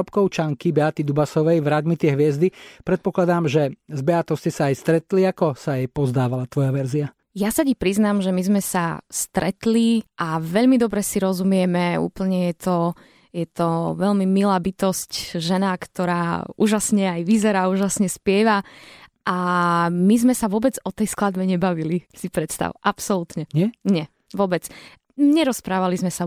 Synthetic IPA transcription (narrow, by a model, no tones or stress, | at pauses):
ɔpkɔʊt͡ʃaŋkibɛat̪id̪ubasɔʋɛjvɾad̪mit̪ɪɛɦʋɪɛzd̪ipɾɛt̪̚pɔklad̪aːmʒɛzbɛat̪ɔscɛsaːjst̪ɾɛt̪liakɔsajɛjpɔzd̪aːʋalat̪ʋɔjaʋɛɾzia | jasacipɾiznamʒɛmizmɛsast̪ɾɛt̪liʔaʋɛʎmid̪ɔbɾɛsiɾɔzumɪɛmɛṵːpl̩ɲɛjɛt̪ɔ | jɛt̪ɔʋɛʎmimilaːbit̪ɔscʒɛnakt̪ɔɾaːṵːʒasɲɛajʋizɛɾaːuːʒasɲɛspɪɛʋaʔamizmɛsaʋʊɔbɛd͡zɔt̪ɛjsklad̪bɛɲɛbaʋilisipɾɛt̪st̪a̰ʊʔapsɔlut̪ɲɛɲɪɛɲɛ | ʋʊɔbɛt͡s | ɲɛɾɔspɾaːʋalizmɛsa